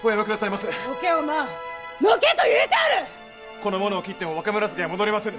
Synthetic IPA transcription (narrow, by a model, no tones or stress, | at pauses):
ojamɯkɯ̟d̪asaimasɨnokeomanoket̪ojɯt̪aɾɯ | ko̞no̞mo̞no̞ːkʲit̪ːemoβakamɯ̟ɾas̬ɨd̪emo̞d̪oɾimasẽŋ